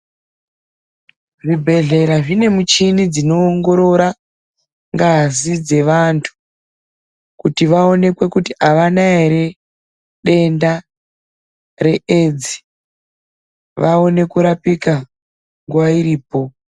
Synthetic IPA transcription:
ʐibʱe̞ɮe̞ɾaʐine̞mut͡ʃinid͡zino̞ːŋɡo̞ɾo̞ɾa | ŋɡazid͡ze̞ʋantʰu̥ | kutiʋao̞ne̞kwe̞kutiaʋanaeɾe | ɗe̞nda | re̞ʔed͡zi̥ | ʋao̞ne̞kuɾapika | ŋɡwaiɾiːpo̞

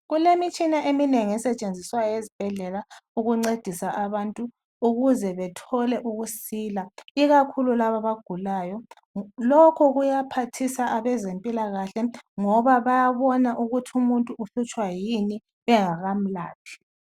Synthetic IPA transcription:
ɣulemit͡ʃʼinaʔemineŋiɛsɛt͡ʃʼend͡zʱiswajezib̥ʱɛɮɛlauɣuŋ͡ǀed̥ʱisaʔaβantʼu | uɣuzɛβɛtʰɔlɛʔuɣusiːlaiɣakʰululaβaβaɡ̥ʱulaːjɔ | lɔkʰɔɣujapʰatʰisaʔaβɛzempʼilaɣaɬɛŋɔβaβajaβɔnaʔuɣutʰumuntʼuːɬut͡ʃʼwajini | ɛŋaɣam̩laːtʰi̥

